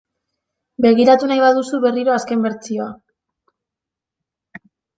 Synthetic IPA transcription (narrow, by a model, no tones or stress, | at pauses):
be̞ɣ̞iɾat̪unajβaðusuβe̞riɾo̞aske̞mbe̞ɾt͡sio̞a